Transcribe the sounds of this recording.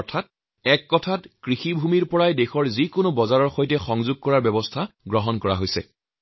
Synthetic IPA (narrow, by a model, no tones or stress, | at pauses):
ɔɹtʰat̚ | ɛkːɔtʰatkɹixibʱumiɹpɔɹajdexɔɹzikʊnobɔzaɹɔɹxojtɛxɔŋzʊɡ̚kɔɹaɹbɛbɔstʰaɡɹɔɦɔnkɔɹa̰ɦojsɛ̰